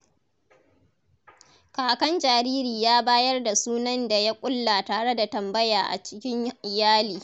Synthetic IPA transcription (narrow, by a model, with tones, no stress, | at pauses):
kaː˨kɐ˦nd͡ʒaː˨ɾiː˦ɾiː˨jaː˦baː˦jɐ˦rda˨suː˦nɐ˦nda˨ja˦kʷʼʊ˦lːa˨taː˨ɽe˦da˨tɐ˨mbɐ˦jaː˨ʔa̰˨t͡ʃɪ̥˦kʲɪ˦ɲɪ˨jaː˦liː˨